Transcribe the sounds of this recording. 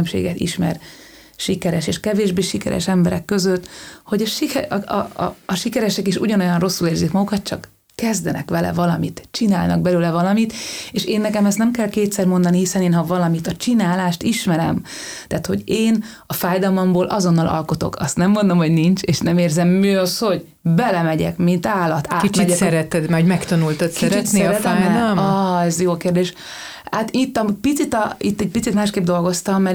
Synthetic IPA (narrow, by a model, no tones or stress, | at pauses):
ømʃḛːɡɛt̪ḭʃmɛ̰r | ʃikɛɾɛʃeːʃkɛveːʒbeːʃikɛ̰ɾɛ̰ʃɛmbɛɾɛkːø̞zøt̪ːho̞ɟɒʃḭ | ʃikɛɾɛʃɛkiʃuɟɒno̞jɒnro̞sːuleːrzikmɒɡukɒt̪̚t͡ʃɒkː | ɛzd̪ɛnɛ̰kʋɛlɛ̰vɒlɒmit̪t͡ʃina̰ːlnɒ̰ɡ̚bɛløːlɛvɒlɒmit̪eːʃeːnːɛkɛmɛst̪nɛmkɛlkeːt̪sɛrmo̞nd̪ɒnihisɛneːnɦɒvɒlɒmit̪ɒt͡ʃinaːlaːʃt̪iʃmɛɾɛ̰m | t̪ɛːt̪ho̞̰ɟeːn | ɒfaːjd̪ɒlmɒmboːlʔɒ̰zo̞nːɒlʔɒ̰lko̞t̪o̞̰kʰɒst̪nɛmːo̞nd̪o̞mɦho̞ɟnint͡ʃeːʃnɛmeːrzɛmːiɒsho̞ɟ | bɛlɛmɛɟɛ̰kmint̪aːlɒt̪aːkit̪t͡ʃmiɟɛsɛɾɛt̪ɛd̪mɛoɟmɛkt̪ɒnult̪ot̪sɛɛt̪sesɾɛt̪ɛajmɒɛzjoːkeːrd̪eːʃ | aːt̪it̪ːɒmpit̪sit̪ɒit̪ːɛɟ̚pit̪sit̪maːʃkeːb̚d̪o̞lɡo̞st̪ɒmːɛ